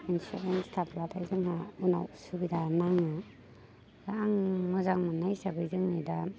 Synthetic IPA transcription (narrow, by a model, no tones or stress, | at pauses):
insuɾenstʰaplatʰajzɯŋɦauna̰wsubidanaŋa | zaaŋmɔzaŋmanajsabɯjzɯŋnida